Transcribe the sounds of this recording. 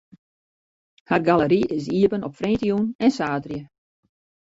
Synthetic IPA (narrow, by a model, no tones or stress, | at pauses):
harɡaləɾiʔɪs̬iəpənɔpfrentijunɛnsaːtrjə